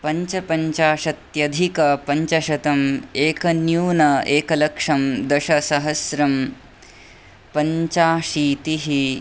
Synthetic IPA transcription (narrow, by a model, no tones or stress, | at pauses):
pɐɲt͡ʃɐpɐɲt͡ʃaːʃɐt̪jɐd̪ʱikɐpɐɲt͡ʃɐʃɐt̪ɐmeːkɐnjuːnɐeːkɐlɐkʂɐmd̪ɐʃɐsɐɦɐsɾɐm | pɐɲt͡ʃaːʃiːt̪iɦi